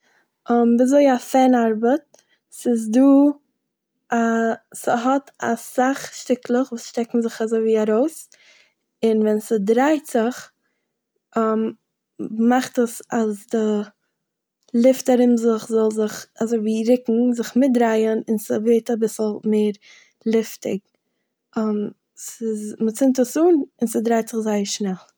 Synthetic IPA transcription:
ɔmbɪazoɪafɛnaɾbət̚ | sɪzduː | asəɦɔta̰saχʃtɪklˠəχvuːsʃtɛkŋ̩zɪχazoɪviːaɾoʊs | ɪnvɛnsədɾaɪtz̥ɪχ | m | maχtəsazdɪ | lˠɪftaɾɪmzɪχzɔlˠzɪχazoɪviːɾɪkŋ̩zɪχmɪt̚dɾaɪənɪnsəveɪtabɪsl̩ˠmeːɾ | lˠɪftɪ̰ɡ̚ | əm | sɪzmət͡sɪntəsuːnɪnsədɾaɪtz̥ɪχzaɪəɾʃnɛlˠ

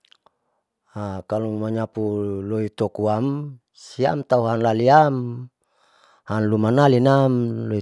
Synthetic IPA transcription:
akalumaɲapuloit̪okuam | sia̰mt̪auɦanlaliam | hanlumanalinamloi

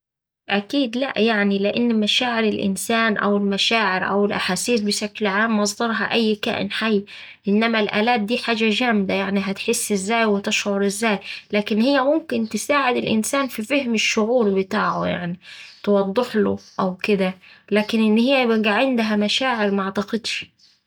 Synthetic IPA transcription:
ʔækiːd̪læ̰ʔjaʕnilɪʔanːmæʃaːʕɪɾɪlʔɪ̰nsæːnʔæ̰wɪlmæʃaːʕɪɾʔæ̰wɪlʔaħaːsiːsbɪʃæklʕaːmːʔɑsˤd̪ɑɾˤɦɑʔæjːkæ̰ːʔɪ̰nħajː | ʔɪnːæmælʔæːlæːt̪̚d̪iːħaːd͡ʒæʒæmd̪ajaʕniɦæt̪ħesːɪzːæːjwɪt̪ɪʃʕoɾʔɪzːæːjlæːkɪnhɪjːæmʊmkɪnt̪ɪsaːʕɪd̪ɪlʔɪ̰nsæːnfifehmɪʃːʊʕuːɾbɪt̪aːʕoja̰ʕnit̪wɑd̪ˤːeħloʔæwkɪd̪ælæːkɪnʔɪnːhɪjːæbɡaʕend̪ɦæmæʃaːʕɪɾmaʕt̪ɑqed̪ʃ

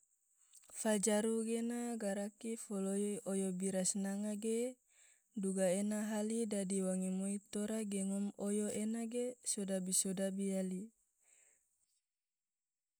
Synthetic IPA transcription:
fad͡ʒaɾuɡenaɡaɾakifɔloiojobiɾasnaŋaɡe | duɡaenaɦalidadiwaŋimoit̪oɾaɡeŋɔmojoʔenaɡesodabisodabiali

